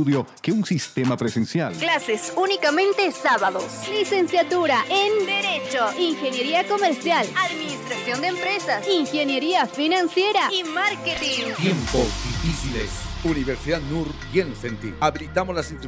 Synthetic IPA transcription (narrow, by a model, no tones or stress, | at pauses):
uðjokeunsist̪emapɾesensja̰lklasesunikamẽ̞nt̪esaβaðoslise̞nsjat̪uɾaend̪eɾet͡ʃoiŋxenjeɾiako̞meɾsjalaðminist̪ɾasjond̪eːmpɾesasiŋxenjeɾiafinansjeɾaimaɾket̪iŋt̪jemposd̪ifisilḛsuniβeɾsiðaðnuɾɡjensent̪ḭaβilit̪amozlasint̪ɾ